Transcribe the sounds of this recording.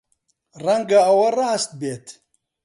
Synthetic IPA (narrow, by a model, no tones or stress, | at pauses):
rɐŋɡaɐwɐraːst̪̚beːt̪